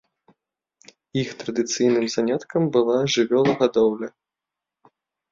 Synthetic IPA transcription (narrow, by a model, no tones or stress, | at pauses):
ixt̪ɾɐd̪ɨt̪sɨjnɨmzanʲat̪kɐmbɨlˠaʐɨvʲɔlˠɐɣad̪ɔwlʲɐ